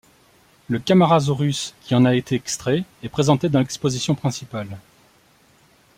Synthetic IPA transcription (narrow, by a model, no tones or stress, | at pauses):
ləkamaʁazoʁyskʲiɑ̃naet̪eɛkst̪χɛɛpχezɑ̃t̪ed̪ɑ̃lɛkspozisjɔ̃pχɛ̃sipal